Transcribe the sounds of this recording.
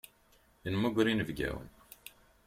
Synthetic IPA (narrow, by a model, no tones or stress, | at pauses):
ənmuɡɾinəvɡæ̰wə̰n